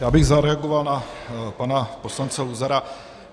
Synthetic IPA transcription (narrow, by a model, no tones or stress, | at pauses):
jaːbɪɣzaɾɛaɡovalnapanaposlant͡sɛluzaɾa